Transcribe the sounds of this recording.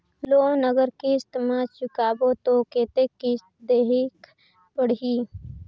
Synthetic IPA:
loːnəɡəɾkiɪst̪ɪmaːt͡ʃʊkaːbot̪okeːt̪ekːi | d̪eːɦɪk | pəɽ̤iː

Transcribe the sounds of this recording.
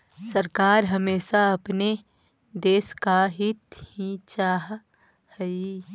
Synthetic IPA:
sɐɾkaːɾɦɐmeːʃaɐpne | d̪eːskaɦɪt̪hĩt͡ʃaːɦ | həi

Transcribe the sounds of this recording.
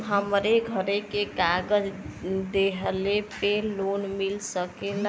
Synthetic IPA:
ɦəmɾeɡʱəɾekekaɡəd͡ʒd̪eɦəlepelonmilsəkela

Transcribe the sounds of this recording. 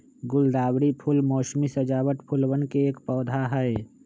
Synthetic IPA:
ɡʊld̪aːwɾipʰʊlmɔːʃmisɐd͡ʒaːwəʈ̪pʰʊlwənkeeːkpɔːd̪ʱaɦɛe

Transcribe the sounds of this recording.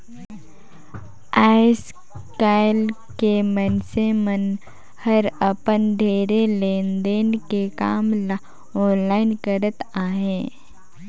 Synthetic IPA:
aːɪs | kaːɪl | kemənsemən | həɾəpənd̪ʱeːɾeleːnd̪eːnkekaːml | ɔːnlaːɪnkəɾət̪aːɦẽː

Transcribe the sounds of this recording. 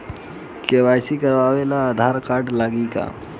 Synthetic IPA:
keʋaːjsikəɾʋaːʋelaːd̪ʱaɾkaːɾɖlaːɡika̰

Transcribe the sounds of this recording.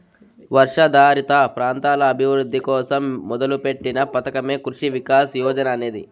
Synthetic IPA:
ʋɐɾʂɐd̪aːɾit̪ɐpɾaːnt̪aːlɐːbʱiʋɾud̪ʱːikɔːsɐmːɔd̪ɐlupe̞ʈːinɐpɐt̪ɐkɐme̞ːkɾuʂiʋikaːsjɔːd͡ʒɐnɐːne̞ːd̪i

